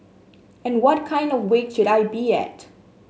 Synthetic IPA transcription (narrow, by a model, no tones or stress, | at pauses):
ɛ̃nwɔt̚kʰãɪ̃ndɔvwekʃʊɾaɪbiɛ̰t